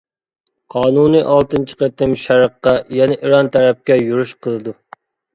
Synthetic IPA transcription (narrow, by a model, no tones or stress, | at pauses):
qʰɑːnunɨʔɑlˠt̪ɨnt͡ʃʰi̥qet̪ɪmʃæɾəqːɑjɛnɪʔiɾɑnt̪ʰæɾɛp̚kʲɛjuɾuʃqʰəlˠɨd̪u